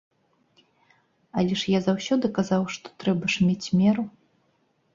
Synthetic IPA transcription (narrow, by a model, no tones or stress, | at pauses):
alʲɛʂjazawsʲɔd̪ɨkazawʂt̪ɔ̥t̪ɾɛbɐʂmʲet͡sʲmʲɛɾu